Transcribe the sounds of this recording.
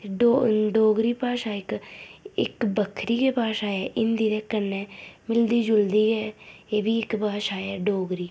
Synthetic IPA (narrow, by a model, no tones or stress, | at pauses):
oɖoːɡɾiːpaːsaːɪk | ɪ̰kbəkʰɾiːkeːpaːsaːɛːʔɪnd̪iːɾɛːkənːɛːmɪld̪iːd͡ʒʊld̪iːɡɛːeːbiːɪkpaːsaːɛːɖoːɡɾiː